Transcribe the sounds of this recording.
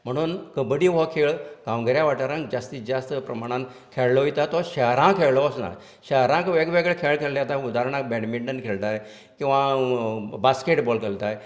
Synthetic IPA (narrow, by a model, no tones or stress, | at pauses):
m̤əɽ̃uːnkəbəɽiːʋɔkʰeɭɡãʋɡəɾjaʋaʈaɾə̃ŋkd͡ʑast̪id͡ʑast̪əpɾəmaɽ̃ãn | kʰeɭlɔit̪at̪ɔɕəɦɾãkʰeɭlɔəsna̰ɾ | ɕəɦɾãkʋeɡʋeɡɭekʰeɭkʰeɭljat̪ãud̪aɾəɳ̃ak̚bɛɽmiɳɖənkʰelt̪aj | kĩw̃ʋa | baskeʈbɔlkelt̪aj